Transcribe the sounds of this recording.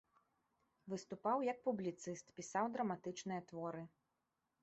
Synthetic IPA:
vɨst̪upawjɐk̚publʲit̪sɨst̪pʲisawd̪ɾɐmat̪ɨt͡ʂnɨjɐt̪vɔɾɨ

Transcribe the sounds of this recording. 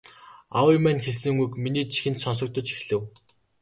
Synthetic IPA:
awimæːnxes̬ɘ̆ŋujkminiːt͡ɕʰi̥xɘ̆nt̪sɔns̬ɞ̆k̚t̪ɞ̆t͡ɕi̥xɮɘ̆w

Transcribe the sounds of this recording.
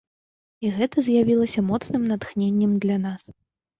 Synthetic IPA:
iɣɛt̪ɐzʲjavʲilˠɐsʲɐmɔt̪snɨmnat̪xnʲenʲːɛmd̪lʲanas

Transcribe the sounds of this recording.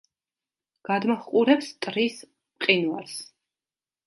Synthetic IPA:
ɡ̥ad̪maχqʼuɾɛpst̪ʼɾis | mqʼinvaɾs

